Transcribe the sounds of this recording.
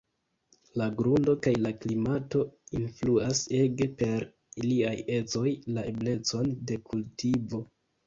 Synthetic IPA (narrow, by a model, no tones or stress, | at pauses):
laɡɾundo̞kajlaklimato̞influase̞ɡe̞pe̞ɾ | iliaje̞t͡so̞jlaʔe̞ble̞t͡so̞nde̞kʰultivo̞